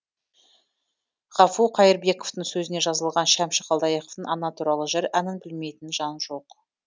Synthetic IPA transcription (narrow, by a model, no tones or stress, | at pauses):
ʁ̥ɑfuqʰɑjəɾbe̞ko̞vt̪əɴsɵzɪne̞ʒɑzəlˠʁɑnʃæmʃəqʰɑlˠd̪ɑjeqoft̪əɴɑnɑt̪ʰuɾɑlˠəʒɪɾænɪnbɪlme̞jt̪ɪnʒɑnʒo̞q